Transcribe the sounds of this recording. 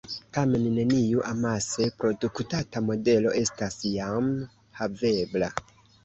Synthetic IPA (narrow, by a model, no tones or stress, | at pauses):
tame̞nːe̞nijuʔamase̞pɾo̞duktatamo̞de̞lo̞ʔe̞stasjam | have̞bla